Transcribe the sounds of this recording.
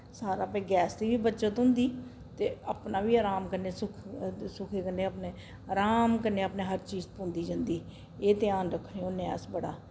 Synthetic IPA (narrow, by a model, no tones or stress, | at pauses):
saːɾaːpɛ̃ːɡɛːsd̪iːʋiːbətːʃət̪ɦʊ̃nd̪iː | t̪eːapnaːʋiːəːɾaːmkəneːsʊkʰsʊkʰeːkənːeːəpneː | əɾaːmkəneːəpneːɦəɾt͡ʃiːzpõːnd̪iːd͡ʒənd̪iː | eːt̪ɪjaːnɾəkʰːnẽːonɛ̰ːsbəɽa̰ː